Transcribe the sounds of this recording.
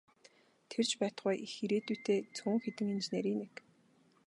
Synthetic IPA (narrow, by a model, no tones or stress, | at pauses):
t̪ʰert͡ɕpæːt̪̆χʊjʔixiɾeːt̪ujʰt̪ʰeːt͡sʰʊːŋxet̪ɘ̆ŋint͡ɕeneːɾiːnek